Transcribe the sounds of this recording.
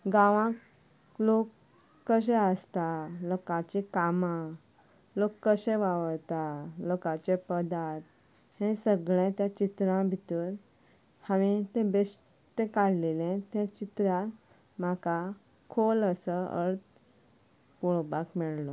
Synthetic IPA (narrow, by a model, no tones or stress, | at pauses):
ɡãʋã | lokː | əɕ̬ɛ̃əst̪alokãt͡ɕikama | lokːəɕɛ̃ʋaʋəɾt̪alokãt͡ɕepəd̪at̪̚ | hɛ̃səɡɭɛ̃t̪jat͡ɕit̪ɾãbʱit̪əːɾ | haʋit̪ẽbes | ʈekaɽ̤lelɛ̃t̪ɛ̃t͡ɕit̪ɾjã | m̤aka | kʰoləsəə̰ɾt̪̚ | puɭbakmɛɭlɔ